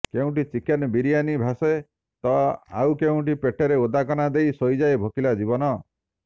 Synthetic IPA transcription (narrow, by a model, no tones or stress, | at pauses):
keũʈit͡ʃikenbiɾijanibʱase | t̪ɔa̰wkeũʈipeʈʰeɾeod̪akɔnad̪ejsojd͡ʒajbʱokilad͡ʒibɔnɔ